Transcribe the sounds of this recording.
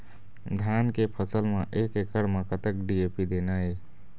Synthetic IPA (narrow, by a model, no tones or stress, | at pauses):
d̪ʱankepʰəsəlmeʔekekəɽmakət̪ək̚ɖiepid̪enəe